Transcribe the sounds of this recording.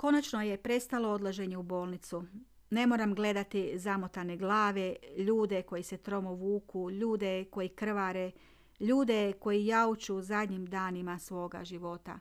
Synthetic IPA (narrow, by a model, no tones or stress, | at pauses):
ko̞nat͡ʃno̞je̞pɾe̞st̪alo̞o̞d̪laʒe̞ɲe̞ubo̞ːlnit̪su | ne̞mo̞ːɾamɡle̞d̪at̪izamot̪ane̞ɡlˠaːʋe̞ʎuːd̪e̞ko̞jise̞t̪ɾo̞moʋuːkuʎuːd̪e̞ko̞jikr̩ʋaɾe | ʎuːd̪e̞ko̞jijaut͡ʃuzad̪ɲimd̪aːnimasʋo̞ːɡa̰ʒiʋo̞t̪a̰